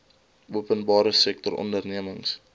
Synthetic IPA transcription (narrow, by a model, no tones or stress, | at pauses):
uəpənbɑːɾəsɛk̚tɔrɔ̰ndərniəməŋs